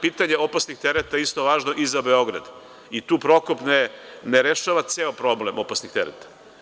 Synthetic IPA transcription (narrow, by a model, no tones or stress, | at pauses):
piːt̪aɲe̞opasnixt̪eɾet̪aist̪o̞ʋaːʒno̞ʔizabe̞o̞ɡɾa̰d̪ | it̪uːpɾo̞kopneneɾeʃaʋat̪seːopɾo̞blemopasnixt̪eɾḛt̪ḁ